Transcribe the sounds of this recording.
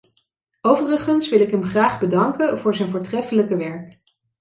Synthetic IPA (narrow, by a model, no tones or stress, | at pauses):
owvərəχənsʋɪlɪkɦɛmχraːχbədɑŋkəvʊːɹzɛjnvʊːɹtrɛfələkəʋɛɹk